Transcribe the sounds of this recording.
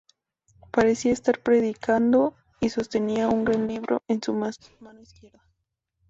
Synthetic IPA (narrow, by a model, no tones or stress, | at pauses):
paɾe̞siaest̪aɾpɾe̞ðikʰand̪o̞ | iso̞st̪e̞niauŋɡɾanliβɾʔo̰ʔensumamanoiskje̞ɾða